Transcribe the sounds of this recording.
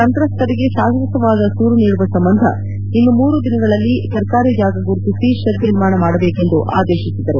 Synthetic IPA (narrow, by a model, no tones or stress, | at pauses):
ɐnt̪ɾɐst̪ʰɐɾiɡe̞ʃaːsɾɐt̪ɐʋaːd̪ɐsuːɾuniːɽuʋɐsɐmbɐnd̪ʱɐ̰ | inːumuːɾud̪inɐɡɐɭɐlːisɐɾkaːɾid͡ʒaːɡɐɡuɾt̪isiʃɐɾb̪iɾmaːɳɐmaːɽɐbeːke̞nd̪uʔa̰ːd̪eːʃisid̪ɐɾu